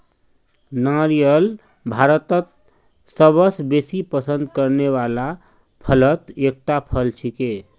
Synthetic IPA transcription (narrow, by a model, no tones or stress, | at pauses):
naɾijəl | bʱaɾət̪ət̪̚ | səbəsbesipəsə̃nd̪kəɾneβala | pʰələt̪ek̚ʈapʰəlt͡ʃʰike